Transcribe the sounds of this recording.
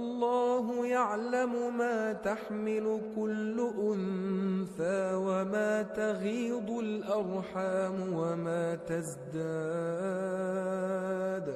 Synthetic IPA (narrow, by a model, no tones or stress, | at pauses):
ʔɑlˤːɑːɦʊjaʕlamʊmaːt̪aħmɪlʊkʊlːʊʔʊnθaːwamaːt̪aɣiːd̪ˤʊlʔɑɾˤħaːmwamaːt̪azd̪aː | d̪